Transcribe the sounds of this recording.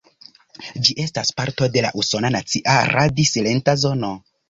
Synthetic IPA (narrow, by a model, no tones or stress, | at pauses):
d͡ʒiʔe̞staspaɾto̞de̞la̰ʔuso̞nanat͡siʔaɾʔadisile̞ntazo̞no